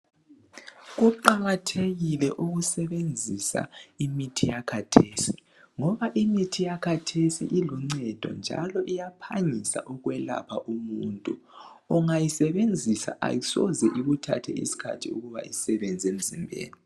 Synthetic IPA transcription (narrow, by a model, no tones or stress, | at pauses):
ɣuǃaɣatʰeɣilɛʔuɣusɛβend͡zʱisa̰imitʰijakʰatʰesi | ŋɔβaʔimitʰijakʰatʰesḭʔiluŋ͡ǀɛd̥ʱɔ̰nd͡ʒʱa̰lɔʔijapʰaɲisa̰ʔɔɣwɛla̰pʰa̰ʔumuntʼu | ɔŋajisɛβend͡zʱisa̰ʔa̰jisɔ̰zɛʔiɣutʰa̰tʰɛ̰ḭsi̥kʰa̰tʰiṵɣuβa̰ʔisɛβɛnd͡zʱiem̩zimbʱḛːni